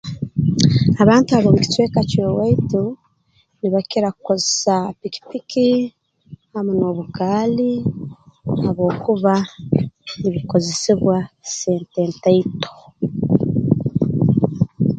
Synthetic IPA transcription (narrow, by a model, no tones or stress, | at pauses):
aβaːntuaβoːmuki̥tweːkacowaitu | niβakiɾakukozesapiki̥piki | hamunoːβukaːli | haβo̞ːkuβa | niβiko̞zesiβwaseːnteːntaito̥